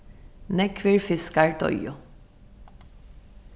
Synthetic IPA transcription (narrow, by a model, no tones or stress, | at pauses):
nɛkʰʋɪɹfɪskɑɹt̪ʰɔ̰jʊ